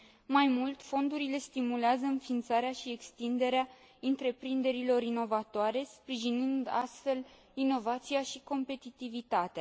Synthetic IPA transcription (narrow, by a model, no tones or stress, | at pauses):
majmult̪fo̞nd̪uɾile̞st̪imuleazəɨnfint̪saɾeaʃiekst̪ind̪e̞ɾea | ɨnt̪ɾe̞pɾind̪e̞ɾilo̞ɾino̞vat̪oaɾe̞spɾiʒinɨnd̪a̰st̪fe̞l | ino̞vat̪sijaʃiko̞mpe̞t̪it̪ivit̪at̪ea